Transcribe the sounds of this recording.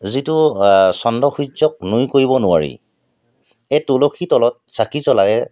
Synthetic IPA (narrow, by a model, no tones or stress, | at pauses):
zitʊsɔndɔxuzɔk̚nujkoɹibɔnʊa̰ɹḭ | etulokʰitɔlɔt̚sakizɔlaɡɛ